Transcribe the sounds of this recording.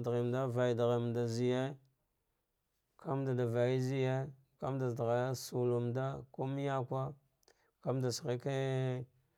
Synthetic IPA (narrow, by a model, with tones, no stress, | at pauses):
dɣe˨mda˦va˨i˨dɣe˨mda˨zi˨je˦ | kʰa˦mda˨da˨va˨i˦zi˦je˦ | ka˦mda˨dɣa˨˦su˨lu˨mda˦ko˦m˦ja˦kʷa˦ | ka˦mda˨sɣe˦ke˦